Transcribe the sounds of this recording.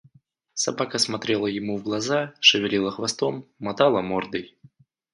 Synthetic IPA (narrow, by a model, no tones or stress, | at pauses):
sɐbakəsmɐt̪ɾʲelˠəjɪmuvɡlˠɐzaʂɨvʲɪlʲilˠəxvɐst̪omːɐt̪alˠəmord̪ɨj